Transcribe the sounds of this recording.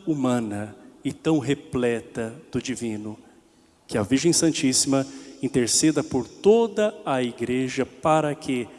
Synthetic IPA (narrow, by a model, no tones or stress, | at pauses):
umɐ̃nɐɪt̪ɐ̃w̃ɦeplɛt̪ɐd̪̥ʊd͡ʒivĩnʊ | kɪɐviɾʒẽj̃sɐ̃nt͡ʃisimɐĩnt̪eɾsɛd̪ɐpoɾt̪od̪ɐɐiɡɾeʒɐpaɾɐkʰɪ